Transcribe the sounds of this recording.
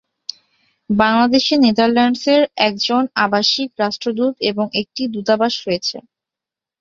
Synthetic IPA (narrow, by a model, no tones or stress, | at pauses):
baŋlad̪eʃinet̪aɾlaɳɖseɾɛk̚d͡ʑonabaʃikɾaʃʈɾod̪ut̪eboŋek̚ʈid̪ut̪abaʃɾojet͡ɕʰḛ